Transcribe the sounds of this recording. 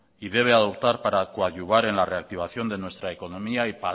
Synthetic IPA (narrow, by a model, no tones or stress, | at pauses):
iðe̞β̞e̞aðo̞pt̪aɾpaɾakoaʝuβaɾe̞nlare̞ak̚t̪iβ̞aθjo̞nd̪e̞nwe̞st̪ɾaeko̞no̞miaipa